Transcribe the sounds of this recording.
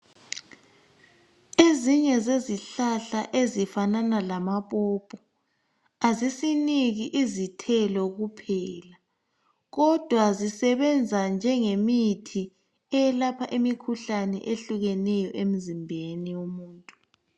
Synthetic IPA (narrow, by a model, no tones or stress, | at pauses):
eziɲɛzeziɬaɬaʔezifananalamaβɔpʰʼɔ | azisiniɣiʔizitʰɛlɔɣupʰɛːla | ɣɔd̥ʱwazisɛβɛnd͡zʱand͡ʒʱɛŋemitʰi | ɛjɛlapʰaʔimikʰuɬanɛ̰ʔeɬuɣɛnɛjɔʔem̩zimbʱeniwumuːntʼu